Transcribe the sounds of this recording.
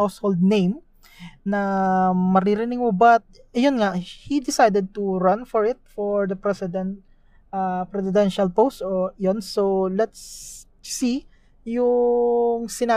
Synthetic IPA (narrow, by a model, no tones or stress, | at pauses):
awshold̪̚nejm | nɐmɐɾiɾɪnɪŋmʊbat̪̚jonŋahid̪ɪsajd̪ɛd̪̚t̪uɹɐnfɔɹɪt̪̚foɹd̪ɐpɾɛsɪd̪ɛnt̪ | apɾɛsɪd̪ɛnʃɐlpowst̪ojonsowlɐt̪sː | i | jʊ | ŋsɪnaː